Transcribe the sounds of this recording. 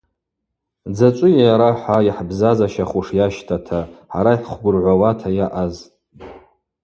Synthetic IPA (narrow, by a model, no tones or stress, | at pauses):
d͡zat͡ʃʷʼʊjaɾaħʷaiħbzazaʃaχʷuʂjaʃtʰatʰaħa̰ɾajħʷχʷɡʊrʕʷawatʰajaʔaz